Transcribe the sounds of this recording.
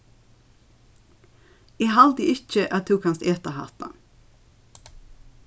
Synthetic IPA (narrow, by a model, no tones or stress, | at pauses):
eːhɑld̪ɪɪc͡çəʔɑːt̪ʰuːkɑnseːt̪əhɑ̰ːt̪ɑ̰